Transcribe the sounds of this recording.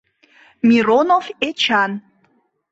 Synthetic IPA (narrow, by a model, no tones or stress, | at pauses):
mʲiɾonovet͡ɕan